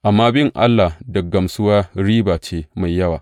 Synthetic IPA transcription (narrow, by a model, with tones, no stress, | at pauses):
ʔa˨mːaː˦bɪ˦ŋʔa̰˦lːa˨dɐ˨ɡɐ˨msʊ˦waː˦ɽiː˦baː˨t͡ʃeː˦ma˨jːɐ˦wa̰ː˨